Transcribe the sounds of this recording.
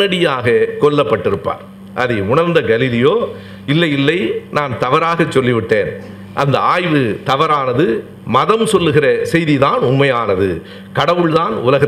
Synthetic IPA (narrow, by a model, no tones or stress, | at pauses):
ɐɽɪjaːɣɐkɔlːɐpːɐʈːɪɾɯpːa̰ːɾ | ʔɐðɐʊnɐɾnd̪ɐɡɐlɪlɪjoː | ɪlːɐjɪlːɐɪnaːnt̪ɐʋɐɾaːɣɐt͡ʃːɔlːɪʋɪʈːeːn | ʔɐnd̪ɐ̰aːjʋɯt̪ɐʋɐɾaːnɐðɯ | mɐðɐmsɔlːɯɣɪrɐsɛjðiðaːnʊmmɐjaːnɐðɯ̰ | kɐɽɐʋɯɭðaːnʊlɐɣɪɐ